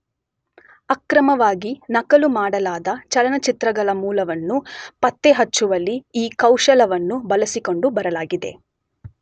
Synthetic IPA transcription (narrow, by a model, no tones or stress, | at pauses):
ɐkɾɐmɐʋaːɡinɐkɐlumaːɽɐlaːd̪ɐt͡ʃɐlɐnɐt͡ʃit̪ɾɐɡɐɭɐmuːlɐʋɐnːupɐt̪ːeɦɐt͡ʃːuʋɐlːiiːkɐwʂɐlɐʋɐnːubɐlɐsiko̞ɳɖubɐɾɐlaːɡid̪e̞̰